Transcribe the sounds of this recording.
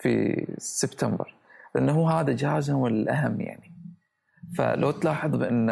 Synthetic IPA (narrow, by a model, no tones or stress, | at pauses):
fḭsɪbt̪ambɪ̰ɾ | lʔɪnːɦuːɦaːðad͡ʒaːzwɪlʔaɦamːja̰ʕni | fa̰lʔawt̪lɑːħɨðˤbɪʔɪnː